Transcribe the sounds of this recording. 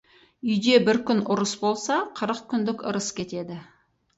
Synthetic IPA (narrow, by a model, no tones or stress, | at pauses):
ʏjd̪e̞bɪɾkʲʰʏnʔʊɾəsbo̞lˠsɑqʰəɾəqkʲʰʏnd̪ɪkʲə̰ɾəskʲʰe̞t̪e̞d̪ɪ